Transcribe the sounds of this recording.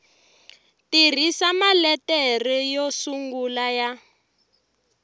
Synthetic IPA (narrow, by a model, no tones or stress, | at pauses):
tir̤isamalɛtɛrɛjɔsuŋɡulaja